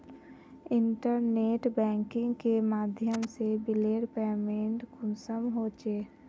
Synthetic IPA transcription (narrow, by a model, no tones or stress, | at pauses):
ɪ̃ɳʈəɾneːʈbɛ̃ːŋkɪ̃ŋɡkemaːd̪ʱjəmsebɪleːɽpeːmẽɳʈɡʊnsəmɦoːt͡ʃeː